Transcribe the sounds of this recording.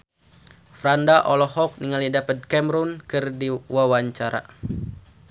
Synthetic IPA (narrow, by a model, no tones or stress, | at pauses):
fɾandaʔɔlɔhɔk̚niŋalidapət̪̚kɛmɾunkɨrdiwawaɲt͡ʃaɾa̰